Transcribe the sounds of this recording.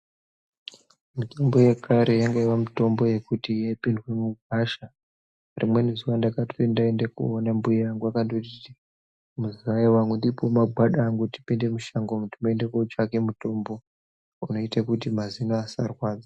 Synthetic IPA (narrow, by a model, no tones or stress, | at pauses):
mutʰombo̞jekʰaɾe̞jaŋɡaiwamuto̞mbo̞je̞kutijaipindwe̞muɡʱaʃa | rimwe̞nezuwandakatoendaendekṵonambuijaŋɡuakantotiti | muziʋaiwaŋɡwundipomaɡʱaɗaːŋɡuti̥pinde̞muʃaŋɡomutimoendekot͡ʃake̞muto̞mbo̞ | uno̞itakutimazinoasarwaːd͡za